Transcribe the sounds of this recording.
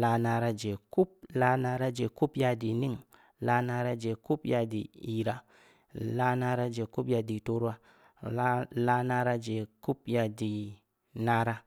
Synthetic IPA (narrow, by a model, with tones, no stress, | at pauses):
la˧na˧ɾa˧d͡ʒe˨ku˦p̚la˧na˧ɾa˦d͡ʒe˨ku˦pja˧di˨ni˦ŋ | la˧na˧ɾa˧d͡ʒe˨ku˦pja˧dḭ˨i˨ɾa˨ | la˧na˧˦ɾa˧d͡ʒe˨ku˦pja˧di˨to˦ɾa˦ | la˧na˧˦ɾa˦d͡ʒe˨ku˦p̚ja˧di˨ | na˦ɾa˦